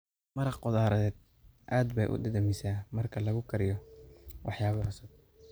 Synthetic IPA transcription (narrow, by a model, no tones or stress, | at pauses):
mɐɾɑqqɔðaːɾɐðɛːd̪̚ | ʔaːd̪bɛ̰jʔʊ̰d̪ɐd̪ɐmɪsaːmɐrkʰɐlɐɣʊkʰɐɾɪjɔwʔɑħjaːβɐhɐsɐd̪̚